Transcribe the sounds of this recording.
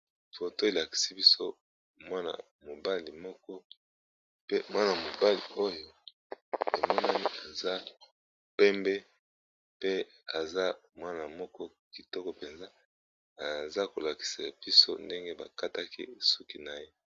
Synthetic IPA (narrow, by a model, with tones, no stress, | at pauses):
fo˨to˦e˨la˨ki̥˨si˦bi˦so˦ | mwa˦na̰˨ | mo˨ba˦li˨mɔ˦kɔ˦ | pe˦mwa˦na˨mo˨ba˦li˨o˦jo˦ | e˨mɔ˦na˦ni˦a˨za˦ | pɛ˦mbɛ˦ | pe˦ | a˨za˦mwa˦na˨mɔ˦kɔ˦ | ki˨tɔ˦kɔ˨pe˨nza˦ | a˨za˦ko˨la˨ki̥˨sa˨b̥i˦so̰˦nde˦ŋɡe˦ba̰˨ka˦ta˦kḭ˦˨su˦ki˨na˨je˦